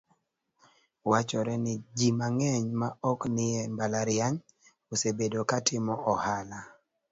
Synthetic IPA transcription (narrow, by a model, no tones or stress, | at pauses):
wat͡ʃɔɾɛnɪd͡ʒimaŋɛɲmaɔknɪɛmbalaɾjaɲ | osebedokatʰɪmɔʔɔhala